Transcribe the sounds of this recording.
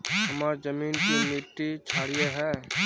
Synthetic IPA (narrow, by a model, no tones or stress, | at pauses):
ɦɐmaːɾzɐmiːnkimɪʈːit͡ʃʰaːɽijeɦɛː